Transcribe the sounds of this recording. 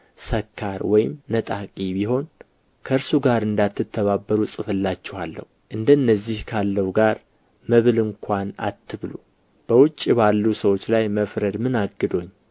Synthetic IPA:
səkʰːaɾwɔjɪmːət̪ʼakʼibiɦo̞n | kʰəɨɾsuɡaɾɨnd̪at̪ːɨt̪ʰːəβabːəɾusʼɨfɨlːat͡ʃːɛhalːə̰huʔɨnd̪əɨnːəzːihkʰalːəwɡaɾ | məβɨlɨŋkʰʷana̰t̪ʰːɨβlṵ | b̥əwʊt͡ʃʼːibalːusəwot͡ʃːlajməfɾəd̪mɨnaɡɨd̪o̞ɲː

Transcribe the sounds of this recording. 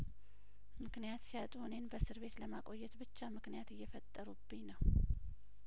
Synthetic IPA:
mɨknijat̪sijat̪ʼuhune̞nbəsɨɾβe̞t̪ləmakʼo̞jːɛt̪bɨt͡ʃːamɨknijat̪ɨjːɛfət̪ʼːəɾubɨɲnəw

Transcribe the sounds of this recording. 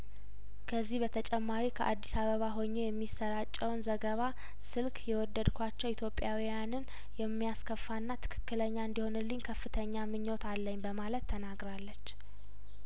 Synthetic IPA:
kʰəzːihbət̪ʰət͡ʃʼɛmːaɾikʰəʔad̪ːisaβəβaɦo̞ɲːejɛmːisəɾat͡ʃʼːɛwnzəɡəβa | sɨlkʰjɛwɔd̪ːəd̪kʰʷat͡ʃːɛwit̪ʰjo̞pʼjawijanɨn | jɛmːijaskʰəfːanːat̪ʰɨ̥kʰɨ̥kːɨləɲːaɨnd̪iho̞nɨlːɨɲkʰəfːɨt̪ʰəɲːamɨɲːo̞t̪ʰalːəɲːbəmalət̪ʰːənaɡɾalːət͡ʃː

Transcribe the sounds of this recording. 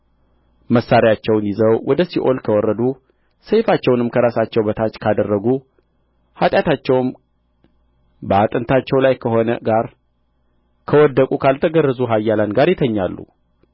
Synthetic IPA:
məsːaɾijat͡ʃːɛwnjɪzəwwʔɔd̪əsiʔo̞lkʰəwɔrːəd̪u | səjfat͡ʃːɛwnɨmkʰəɾasat͡ʃːɛwbət̪ʰat͡ʃːkʰad̪ərːəɡu | hat̪ʼjat̪at͡ʃːɛwm | bəat̪ʼənt̪ʰat͡ʃːɛwlajkʰəɦo̞nə̰ɡaɾ | kʰəwɔd̪ːəkʼukʰalt̪ʰəɡərːəzuɦajːalanɡaɾjɪt̪ʰəɲːalːṵ

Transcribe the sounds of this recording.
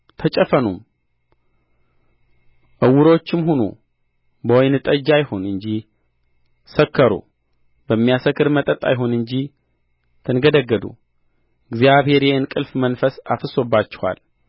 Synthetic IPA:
t̪ʰət͡ʃʼəfənṵm | ʔɨwʊɾo̞t͡ʃːɪmhono̰ | bəwjnɨt̪ʼəd͡ʒajho̞nɨɲd͡ʒi | səkʰːəɾo̰ | bəmːijasəkːɨɾmət̪ʼət̪ʼa̰jɪɦo̞nɨɲd͡ʒi | t̪ʰɨnɡəd̪əɡːəd̪ṵ | ɨɡzijaβhe̞ɾjehɨnkʼɨlfmənfəsa̰fɨso̞bːat͡ʃːɛ̥ha̰l

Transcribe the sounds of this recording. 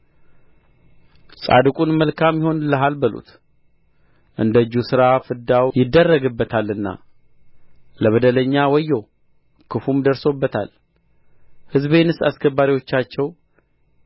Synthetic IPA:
sʼa̰d̪ɨkʼunməlkʰamjɪho̞nləɦalbəlṵt̪ | ʔɨnd̪əd͡ʒːusɨɾafɨd̪awjɪd̪ːərːəɡɨbːət̪ʰalːɨnːa̰ | ləβəd̪ələɲːawɔjːo̞ | kʰɨfumd̪əɾso̞bːət̪ʰa̰l | hɨzbe̞nɨsaskʰəbːaɾiwo̞t͡ʃːat͡ʃːɛw

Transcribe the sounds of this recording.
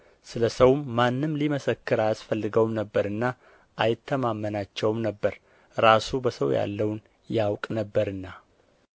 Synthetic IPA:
sɨləsəwːanːɨmliməsəkːɨɾajasfəlːɨɡəwmnəbːəɾɨnːa | ʔajɪt̪ʰːəmamːənat͡ʃːɛwmnəbːəɾ | ɾasubəsəwja̰lːəwn | jawkʼnəbːəɾɨnːa

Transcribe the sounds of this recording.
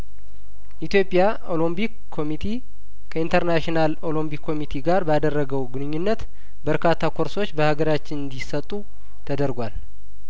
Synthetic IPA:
ʔit̪jo̞pʼːja | o̞lombikkʰːo̞mit̪ʰi | kʰəint̪ʰəɾnaʃinalo̞lo̞mbikʰːo̞mit̪ʰiɡaɾbəad̪ərːəɡəwɡɨnɨɲːunːət̪ | bəɾkʰat̪ʰːakʰo̞ɾso̞t͡ʃːbəhaɡəɾat͡ʃːɪnɨnd̪isət̪ʼːu | t̪ʰəd̪əɾɡʷal

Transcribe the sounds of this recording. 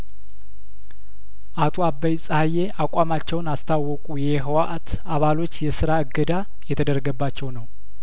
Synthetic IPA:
ʔat̪ʰo̞abːəjsʼhajːeʔakʷʼamat͡ʃːɛwnast̪ʰawːɔkʼujɛɦəwaʔat̪ | aβalo̞t͡ʃːjɛsɨɾaɨɡːəd̪a | jɛt̪ʰəd̪əɾɡəbːat͡ʃːɛwnəw

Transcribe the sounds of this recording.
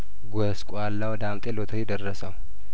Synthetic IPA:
ɡʷəskʷʼwalːawd̪amt̪ʼelot̪ʰəjɪd̪ərːəsəw

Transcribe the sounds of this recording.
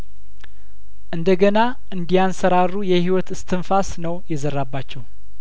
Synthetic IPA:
ʔɨnd̪əɡəna | ʔɨnd̪ijansəɾarːujɛhiwɔt̪ɨst̪ʰɨnfasnəwjɛzərːabːat͡ʃːɛw

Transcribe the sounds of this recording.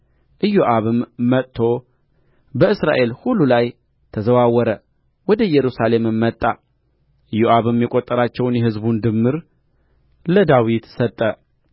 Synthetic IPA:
ʔɨjːoʔaβɨmːət̪ʼt̪ʰːo̞ | bəɨsɾa̰ʔe̞lhulːulaj | t̪ʰəzəwawːɔɾə | wɔd̪əjɛɾusale̞mɨmːət̪ʼːa | ʔɨjoʔaβɨmjɛkʼot̪ʼːəɾat͡ʃːɛwnjɛhɨzbund̪ɨmːɨɾ | ləd̪awit̪sət̪ʼːə

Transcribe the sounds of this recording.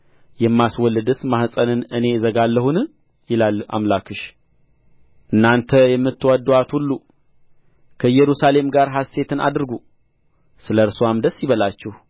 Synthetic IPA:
jɛmːaswɔlːɨd̪ɨsmahsʼənɨnɨne̞zəɡalːəhun | jɪlala̰mlakʰɨʃ | ʔɨnːant̪ʰəjɛmːɨt̪ːwad̪uat̪hulːu | kʰəjɛɾusale̞mɡaɾɦasːe̞t̪ʰɨna̰d̪ɨɾɡu | sɨləɾsoamd̪əsːjɪβəlat͡ʃːɛh

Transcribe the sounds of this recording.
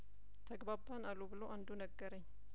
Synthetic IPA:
t̪ʰəɡbabanalubɨloʔand̪unəɡːəɾəɲː

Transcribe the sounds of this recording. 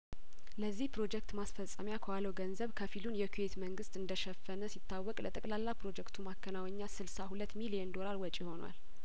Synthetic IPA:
ləzːihpɾo̞d͡ʒɛkt̪masfəsʼəmjakʰəwaləwɡənzəβkʰəfilunjɛkʰujet̪məŋɡɨst̪ɨnd̪əʃɛfːənəsit̪ːawːɔkʼlət̪ʼəkʼlalːapɾo̞d͡ʒɛkt̪ʰumakʰːənawəɲːasɨlsahulət̪ːmilijɛnd̪o̞laɾwɔt͡ʃʼiho̞nwa̰l

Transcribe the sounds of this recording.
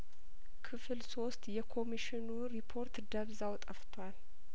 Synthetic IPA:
kʰɨfɨlso̞st̪jɛkʰo̞miʃɪnuɾipʰo̞ɾt̪d̪əβzawt̪ʼəft̪ʰwal

